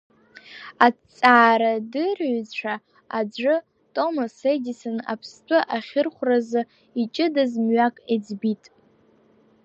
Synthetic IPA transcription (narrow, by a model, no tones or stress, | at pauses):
at͡sʼaːɾadɨrɥt͡ɕʈ͡ʂʷʰa | ad͡ʒʷɨ | tʼo̞masedisɨna̰pʰst͡pʷʰʼʊʔaχʲɪrχʷrazɨ | it͡ʃʼɪdazmɥakʼed͡zbitʼ